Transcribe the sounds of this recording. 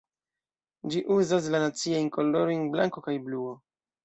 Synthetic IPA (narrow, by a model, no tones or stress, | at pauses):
d͡ʒiʔuzas̬lanat͡siejnkoldoɾojnblaŋko̞kajbluo